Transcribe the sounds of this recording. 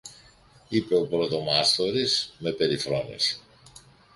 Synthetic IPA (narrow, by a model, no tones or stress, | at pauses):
ipe̞o̞pɾo̞t̪o̞mɐst̪o̞ɾisme̞pe̞ɾifɾo̞nḭs